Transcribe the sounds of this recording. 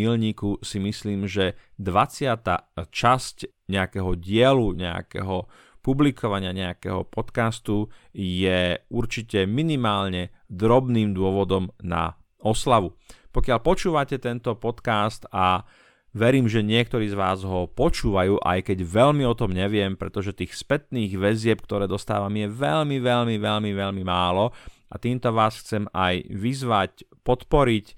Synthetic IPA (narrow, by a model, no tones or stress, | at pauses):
ilɲiːkusimisliːmʒɛ | d̪ʋat͡sɪat̪a̰ːt͡ʃasc | ɲɛakɛɦɔɟɪɛluɲɛa̰kɛ̰ɦɔ | publikʰɔʋaɲɪaɲɛa̰kɛ̰ɦɔ̰pɔt̪kast̪ujɛuɾt͡ʃicɛminimaːlɲɛd̪ɾɔbniːmd̪ʊɔʋɔd̪ɔmna̰ | ɔslaʋupɔkɪaʎpɔt͡ʃuːʋacɛt̪ɛnt̪ɔpɔt̪kast̪a | ʋɛɾiːmʒɛɲɪɛk̚t̪ɔɾiːzʋaːzɦɔpɔt͡ʃuːʋajuːʔa̰jkɛɟʋɛʎmiɔt̪ɔmɲɛʋɪɛmpɾɛt̪ɔʒɛt̪iːxspɛt̪̚niːɣʋɛzɪɛp̚k̚t̪ɔɾɛːd̪ɔst̪a̰ːʋamjɛʋɛlmiʋɛʎmiʋɛlmiʋɛlmimaːlɔ | at̪iːmt̪ɔʋaːsxt͡sɛmajʋizʋacpɔt̪pɔɾic